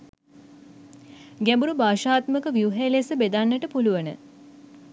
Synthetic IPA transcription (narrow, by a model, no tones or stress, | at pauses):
ɡæmbuɾubaːʃaːt̪məkəʋiuuɦelesəbed̪anːəʈəpuluʋənə̰